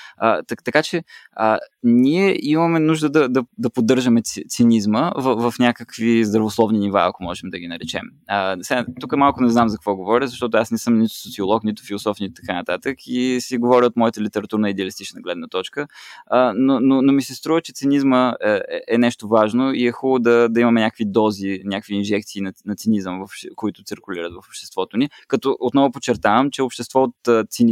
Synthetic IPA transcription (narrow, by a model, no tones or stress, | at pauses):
ət̪t̪ɐkat͡ʃɛəniɛʔimɐmɛnuʒd̪əd̪ɐd̪ɐd̪ɐpod̪ːɤɾʒəmɛt̪t̪sinizməvəvɐfnʲakəkvizd̪ɾɐvoslˠɔvniniva̰ɐ̰komɔʒɛmd̪ɐɡinɐɾɛt͡ʃɛ̰məsɛat̪ukəmalˠkʊnɛznamzɐk̚kvɔɡovɔɾʲəzɐʃt̪ɔt̪ʊasnɛsɤmnit̪ʊ̥sot̪siolˠɔknit̪ʊ̥filˠosɔfnit̪t̪ɐkanɐt̪at̪əkʰisɛɡovɔɾʲəot̪mɔjət̪əlit̪ɛɾɐt̪uɾnəid̪ɛɐlist̪it͡ʃnəɡlɛd̪nət̪ɔt͡ʃkə | nononomisɛst̪ɾuvət͡ʃɛt̪sinizməɛɛ̰ʔɛnɛʃt̪ovaʒnoiɛxulˠod̪ɐd̪ɐimɐmɛnʲakəkvid̪ɔzinʲakəkviːnʒɛkt̪siːnɐnɐt̪sinizəmvɐfʃkoit̪ʊ̥t̪siɾkʊliɾət̪vɐfopʃt̪ɛ̥st̪vɔt̪oni | kɐt̪ɔʔot̪nɔvʊpot͡ʃːɛɾt̪avəmt͡ʃɛopʃt̪ɛst̪vɔot̪t̪sin